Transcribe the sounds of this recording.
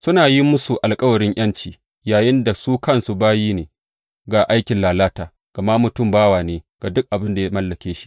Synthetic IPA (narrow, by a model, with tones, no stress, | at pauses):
sʊ˦naː˨ji˦mʊ˦su˨ʔa˨lkʼɐ˦wɐ˨ɾɪ˦ɲʔɐ˦nt͡ʃiː˨ | jaː˨jɪ˦nda˨suː˦kɐ˦nsu˨baː˦jiː˦neː˨ | ɡa˨ʔa˦jkʲɪ˨nlaː˨laː˦taː˨ | ɡ̥ɐ˨ma˦mʊ˨tʊ˦˨mbaː˦waː˨neː˨ɡ̥a˨dʊ˦k̚ʔa˨bɪ˦nda˨ja˦mɐ˦lːɐ˨kʲeː˦ʃi̥˦ʔ